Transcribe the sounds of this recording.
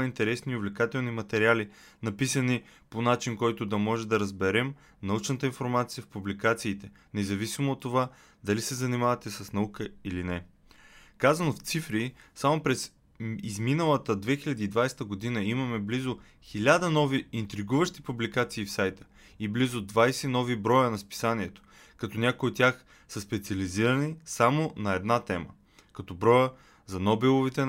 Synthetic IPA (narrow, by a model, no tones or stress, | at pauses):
int̪ɛɾɛsniʊvlʲɛkat̪ɛlˠnimɐt̪ɛɾiali | nɐpisɐniponat͡ʃinkɔjt̪ʊd̪ɐmɔʒɛd̪ɐɾəzbɛɾɛm | nɐut͡ʃnət̪əinfoɾmat̪sijəfpublikat̪siːt̪ɛ | nɛzɐvisimoːt̪ːova | d̪ɐlisɛzɐnimavɐt̪ɛsɐsnɐukəilinɛ | kazɐnoft̪sifɾisamopɾɛs | izminəlˠət̪əd̪vɛxiʎʲɐd̪iːd̪vajst̪əɡod̪inəimɐmɛblizo | xilʲad̪ənɔviint̪ɾiɡuvəʃt̪ipublikat̪siːfsajt̪ə̥ | iblizod̪vajsɛnɔvibɾɔjənɐspi̥saniɛt̪o̥ | kɐt̪ɔnʲakojiot̪ʲːjax | sɐspɛt̪siɐliziɾɐnisamonɐɛd̪nat̪ɛmə̰ | kɐt̪ɔbɾɔjə | zɐnɔbɛlˠovit̪ɛ